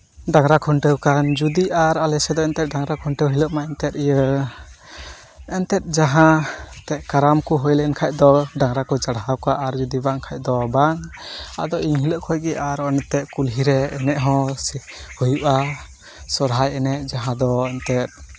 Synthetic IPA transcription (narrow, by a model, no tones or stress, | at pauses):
ɖaŋɾakʰɔɳʈəwkand͡ʒud̪iʔaɾalɛsɛd̪ɔɛnt̪ɛt̪̚ɖaŋɾakʰɔɳʈəwɦiləʔmaʔɛnt̪ɛt̪̚ijə | ɛnt̪ɛt̪̚d͡ʒaɦãt̪ɛʔkaɾamkuɦɔjlɛnkʰaj̚ˀd̪ɔɖaŋɾakɔd͡ʒaɽɦawkaʔaɾd͡ʒud̪ibaŋkʰac̚d̪ɔbaŋa̰d̪ɔiŋɦiləʔkʰɔjɡɛaɾɔnɛt̪ːɛʔkulɦiɾɛːnɛʔɦɔ̃ | hujuʔa | sɔɾɦajɛnɛʔd͡ʒaɦãd̪ɔɛnt̪ɛt̪̚